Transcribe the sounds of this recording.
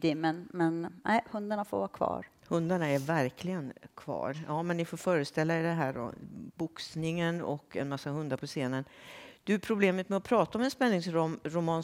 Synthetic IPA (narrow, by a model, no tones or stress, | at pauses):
d̪ɪmənmɛnnʔæ̰ɪhɵnd̪aɳafo̰ɾvɑːɾkʰvɑ̰ːɾ | hɵnd̪aɳaɛɾvæɾkʰlɪɡənkʰv̥ɑ̰ːɾjɑːmɛnːɪfoːɾfœːɾəst̪ɛlːaɛd̪ɛɦæːɖɔ̰bʊksnɪŋənɔ̰kːɛ̰nmasːahɵnd̪aɾpʰɔseːnənd̪̥ɵpʰɾʊbleːmət̪mɛɔpʰɾɑːt̪aɔmɛnspɛnːɪŋsɾɑːmɾʊmɑːn